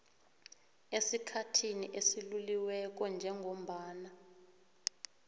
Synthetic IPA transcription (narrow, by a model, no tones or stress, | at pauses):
esikʰatʰiniʔesiluliwɛk̬ɔnd͡ʒʱɛŋʱom̩ɓaːna